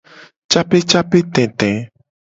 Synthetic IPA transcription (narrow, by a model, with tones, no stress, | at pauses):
t͡ʃa˦pe˦t͡ʃa˦pe˦t̪ɛ̃˨t̪ɛ̃˨